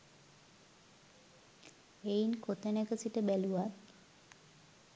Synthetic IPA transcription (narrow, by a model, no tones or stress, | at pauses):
einkʰot̪ənekəsiʈəbæluʋat̪